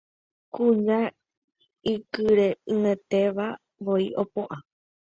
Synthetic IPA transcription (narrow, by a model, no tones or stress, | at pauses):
kũɲã | ikɨɾe̞ɨ̃ẽt̪e̞ʋa | ʋoiʔopoʔa